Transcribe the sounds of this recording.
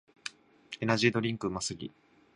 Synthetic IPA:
e̞naʑiːd̪oɾʲĩŋkɯ̟masɨɡʲḭ

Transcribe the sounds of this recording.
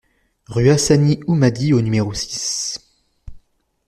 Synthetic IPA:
ʁyasaniumad̪ionymeʁosi̥s

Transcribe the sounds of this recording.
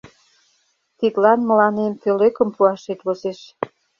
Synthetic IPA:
t̪it̪lɑnmə̆lɑnemføløkə̆mpuɑʃet̪βozeʃ

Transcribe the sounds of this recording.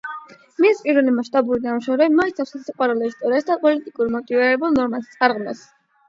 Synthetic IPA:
mispʼiɾɛlimaʃt̪ʼabuɾid̪amʃɔvɾɛbmɔit̪sʰafsasiqʼwaɾɛlɔist̪ʼɔɾiasd̪apʼɔlit̪ʼikʼuɾmɔt̪ʼiviɾɛbulˠnɔɾmast̪sʼaɾʁmɛs

